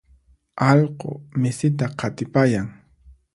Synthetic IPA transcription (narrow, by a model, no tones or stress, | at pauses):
ɑlqo̰mɪsɪt̪̬aqʰɑt̪ɪpajaŋ